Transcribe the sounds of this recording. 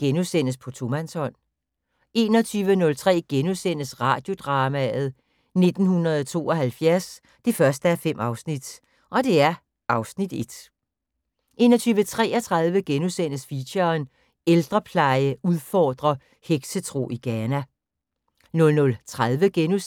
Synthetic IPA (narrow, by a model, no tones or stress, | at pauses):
ɡ̥enusen̰əspʰɒ̽t͡sʰo̝mænshɒ̽n̰ | e̝ːnɒ̽t͡sʰyːʋənɔ̽lt͡sʰʁɛ̰ːɡ̥enuðˠsen̰əsʁɑ̈ːd̥jo̝d̥ʁɑ̈ːmæð̩ˠ | ne̝d̥n̩hunɐð̩ˠɒt͡sʰo̝̰ːɒ̽ɦælfjæɐs | d̥e̝fɶɐsd̥əæɐfem̰ɑ̈ʊsnid̥ | ʔɒ̽d̥e̝æɐ | ʔɑ̈ʊsnid̥e̝d̥ | ʔe̝̰ːnɒ̽t͡sʰyːʋət͡sʰʁɛ̰ːɒt͡sʰʁɑð̞ˠʋəɡ̥enuðˠsen̰əsfiɕɐn | eld̥ʁɐpʰlɑ̈ɪəuð̞ˠfɒːd̥ʁɐ | heɡ̥sət͡sʰʁo̝̰ːʔiɡ̥ɛːnæ | nɔ̽lnɔ̽lt͡sʰʁaðˠʋəɡ̥enu